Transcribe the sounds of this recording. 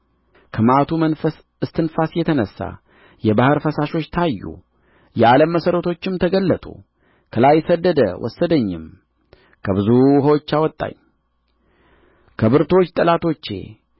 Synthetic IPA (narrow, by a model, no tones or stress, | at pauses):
kʰəmat̪ʰumənfəs | ɨst̪ʰɨnfasjɛt̪ʰənəsːa̰ | jɛbahɨɾfəsaʃo̞t͡ʃːt̪ʰajːṵ | jɛaləmːəsəɾət̪ʰo̞t͡ʃːɪmt̪ʰəɡəlːət̪ʼṵ | kʰəlajsəd̪ːəd̪ə̰wʔɔ̰sːəd̪əɲːɪ̰m | kʰəβɨzuhowot͡ʃːawɔt̪ʼːa̰ɲ | kʰəbɨɾt̪ʰo̞t͡ʃːt̪ʼɨlat̪ʰo̞t͡ʃːḛ